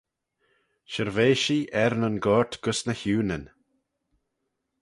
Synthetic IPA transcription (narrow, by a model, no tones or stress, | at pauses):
ʃəɾveːʃiːʔɛɾnənɡɔːɹt̪ɡ̥ʊsnəçuːnən